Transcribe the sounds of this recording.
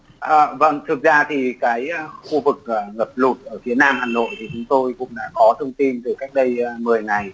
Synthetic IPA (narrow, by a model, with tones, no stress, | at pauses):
ʔəː˨˩və̰˧˥nt̪ʰɨ˨˩ək̚zaː˧t̪ʰi˨˩kaː˨˦jxu˧vɨ˨˩k̚əː˨˩ŋə˨˩p̚lu˨˩t̚ʔəː˧˩fi˨˦ənaː˧mhaː˨˩no̰˧˨jt̪ʰi˨˩t͡ɕʊ˨˦ŋ͡mt̪o˧jkʊ̰˧˥ŋ͡mɗa̰ː˧˥kɔ˨˦t̪ʰə˧wŋ͡mt̪i˧nt̪ɨ˨˩kaː˦˥jk̟̚ɗə˧jmɨ˨˩əjŋa˨˩j